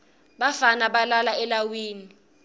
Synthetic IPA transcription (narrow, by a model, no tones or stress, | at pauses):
ɓafanaɓalalaɛlawiːni